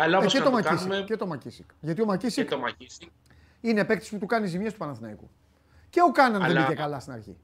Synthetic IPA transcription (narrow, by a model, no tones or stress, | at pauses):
ɐlɐset̪omɐkisieet̪o̞mɐcisikʝɐt̪io̞mɐcisikomɐis | inepe̞kt̪i̥si̥put̪ukɐnizimiest̪upɐnɐθinɐikṵ | ce̞o̞kɐnɐnðebiçekɐlɐst̪inɐ̰ɾçḭ